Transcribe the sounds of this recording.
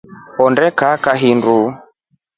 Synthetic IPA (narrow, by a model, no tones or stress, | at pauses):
ɔndɛkakaɦindu